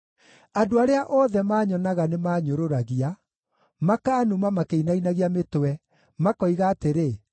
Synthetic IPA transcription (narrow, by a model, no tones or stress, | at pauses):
adoaɾeaʔɔðɛmaːɲɔnaɣanemaːɲoɾoɾaɣia | makanumamakeinainaɣiametowɛ | makɔiɣaːteɾe